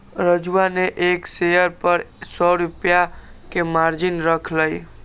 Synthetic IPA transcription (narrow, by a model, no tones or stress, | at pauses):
ɾəd͡ʒuaneʔeksejəɾpəɾsɔɾupja | kemaɾd͡ʒinɾəkʰləj